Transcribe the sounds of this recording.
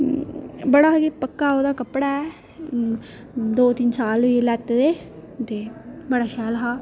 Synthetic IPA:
bəɽaːɦɡeːpəkːaːoːd̪aːkəpːɽaɛ | d̪oːt̪ɪnsaːlʊilɛːt̪ːd̪eː | t̪eːbəɽaːʃɛːlɦaː

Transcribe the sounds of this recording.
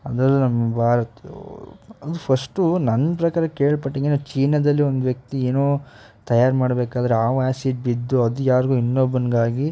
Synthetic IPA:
ɐd̪ɐlːunɐmːɐbʱaːɾɐt̪ːe | ɐd̪upʰɐsʈunɐnːɐpɾɐkaːɾɐkeːɭpɐʈːiŋɡenut͡ʃiːnɐd̪ɐlːiond̪uʋjɐk̚t̪ieːnoː | t̪ɐjaːɾmaːɽbeːkaːd̪ɐɾeaːʋaːsiːʈ̚bid̪ːuɐd̪ujaːɾɡuinːobɐnɡaːɡi

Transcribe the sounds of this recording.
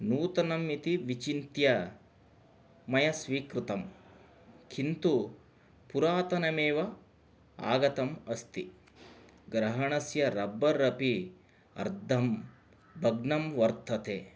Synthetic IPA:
nuːt̪ɐnɐmit̪iʋit͡ʃint̪jɐ | mɐjɐsʋiːkɾut̪ɐm | kʰint̪u | puɾaːt̪ɐnɐmeːʋɐ | a̰ːɡɐt̪ɐmɐst̪i | ɡɾɐɦɐɳɐsjɐɾɐbɐɾɐpi | ɐ̰ɾd̪ʱɐm | bʱɐɡ̚nɐmʋɐɾt̪ʰɐt̪eː

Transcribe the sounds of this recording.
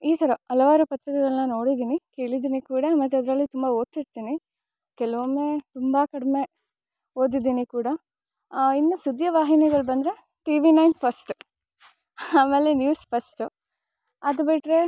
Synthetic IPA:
iːt̪ʰɐɾɐɐlɐʋaːɾupɐt̪ɾikɐɡɐɭɐnːɐno̞ːɽid̪iːnike̞ːɭid̪iːnikuːɽɐmɐt̪ːɐd̪ɐɾɐlːit̪umbaoːt̪ːiɽt̪iːni | kɛlɐʋɐmːet̪umbɐkɐɽɐme̞ | ɦoːd̪id̪iːnikuːɽɐ | inːusud̪jɐʋaːɦinɛɡɐɭbɐnd̪ɾe̞ | ʈiːʋinɐjnpʰɐsʈu | aːmeːlenjuːspʰɐsʈu | ɐd̪ubiʈɾe̞

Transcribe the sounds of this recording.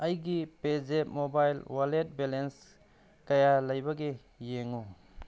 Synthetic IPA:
ɐjɡipezetmobajlwalet̚belens | kajalɐjbaɡe | jeŋu

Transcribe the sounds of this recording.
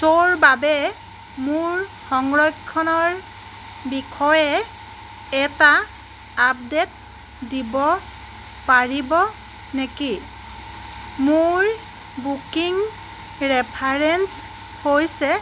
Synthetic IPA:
soɹbabɛ | muɹ | xɔŋɹɔjkʰːɔnɔɹ | bikʰɔjɛː | ta | ap̚det̚ | dibɔ | paɹibɔ | neki | mʊɹ | bukiŋ | ɹɛpʰaɹɛns | hojsɛ

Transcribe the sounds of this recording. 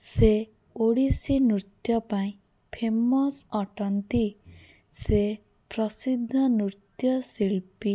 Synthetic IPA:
se | oɽisinɾut̪jɔpaĩ | pʰemɔsɔʈɔnt̪i | se | pɾɔsid̪ʱːɔnut̪jɔsiɭpi

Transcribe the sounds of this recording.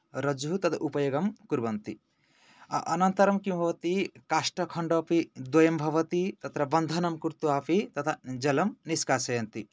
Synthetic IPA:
ɾɐd͡ʒuɦut̪ɐt̪ʰaʔupɐjoɡɐmkuɾbɐnt̪ḭ | ʔɐnɐnt̪ɐɾɐmkibʱɐʋɐt̪ikaʃʈɐkʰɐɳɖɔpid̪wɐjɐmbʱɐʋɐt̪it̪ɐt̪ɾɐbɐnd̪ʱɐnɐmkuɾt̪uaːpit̪ɐt̪ʰad͡ʒɐlɐmniskaːsɐjɐnt̪i

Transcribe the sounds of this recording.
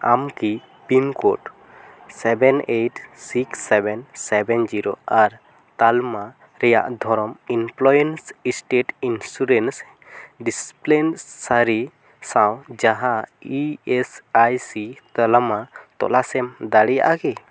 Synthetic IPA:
amki | pɾimkoʈ | sɛbɛneʈsiksːɛbɛnsɛbɛnd͡ʒiɾoaɾ | t̪alma | ɾɛja̰ʔd̪ʱɔɾɔminplɔjensisʈeʈinsuɾens | ɖisplenːaɾi | sãwd͡ʒaɦãiesajsit̪əlamat̪ɔ̰lasɛmd̪aɽija̰ʔaɡɛ

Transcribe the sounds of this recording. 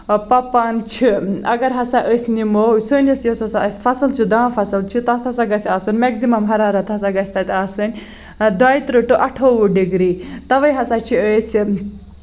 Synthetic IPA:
pɐpant͡ʃʰiɐ̰ɡɐɾɦɐsaʔəsʲnimowsənʲɐsjɐt͡sɐsaɐsʲfɐsɐlt͡ʃʰid̪aːfɐsɐlt͡ʃʰit̪ɐt̪ʰhɐsaɡɐsʲasɨnmɛkzimɐmɦɐɾaːɾɐt̪ɦɐsaɡɐsʲt̪ɐt̪ʲasɨnʲ | d̪ajt̪ɾɨʈɨʔɐʈʰoʋuɖiɡɾit̪ɐʋɐjɦɐsat͡ʃʰiəsʲ

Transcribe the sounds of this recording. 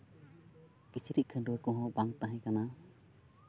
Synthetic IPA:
kit͡ʃʰiɾiʔ̪̚ˀkʰənɖuwɛkɔ̃ɦɔ̃baŋt̪aɦɛ̃kana

